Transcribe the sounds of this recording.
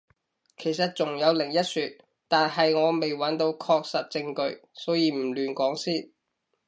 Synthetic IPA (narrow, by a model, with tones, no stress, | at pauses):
kʰe˨˩jsɐ˨t̚t͡sʊ˨˩ŋjɐ˨˧wlɪ˨˩ŋjɐ˥t̚syː˨˧t̚ | t̪aː˨nɦɐ˨jŋɔː˨˧me˨jwɐ˨˥nt̪o˧wkʰɔː˧k̚sɐ˨t̚t͡sɪ˧ŋkɵ˧ɥsɔː˨˥wjiː˨˧m̩˨˩lyː˨nkʷɔː˨˥ŋsiː˥n